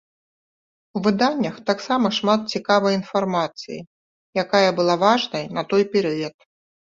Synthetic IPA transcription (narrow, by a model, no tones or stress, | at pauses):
wvɨd̪anʲːɐxt̪aksamɐʂmat̪̚t͡sʲikavɐjin̪farmat̪sɨ̰jḭ | jakajɐbɨlˠavaʐnɐjnɐt̪ɔjpʲɛɾɨjɐt̪̚